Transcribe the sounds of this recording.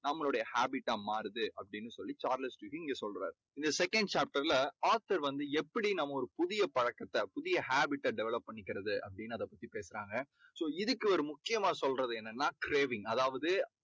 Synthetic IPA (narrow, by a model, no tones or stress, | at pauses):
nɐmːɐɭɔɽɐjɐhaːbɪʈːaːmaːɾɯðɯɐpːɐɽɪnːɯsɔlːit͡ʃaːɾlɐsʈiːɣiɪŋɡeːsɔlɾa̰ːɾ | ɪnd̪ɐsɛkːɐɳɖt͡ʃaːp̚ʈɐɾlɐaːɾt̪ɐɾʋɐnd̪ɯɛpːɐɽinɐmːɐɔɾɯpʊðɪjɐpɐɻɐkːɐt̪ːɐpʊðɪjɐhaːbɪʈːɐɖɛʋɛlɐpːɐɳːɪkːɪɾɐðɯʔɐ̰pːɐɽɪnːɯɐðɐpːɐt̪ːipeːsɪɾaːŋɡɐ | soːɪðɯkːɯʋɐɾɯmʊkːɪjɐmaːsɔlrɐðɯɛnːɛnːaːkɪɾeːʋɪŋɐðaːʋɐðɯ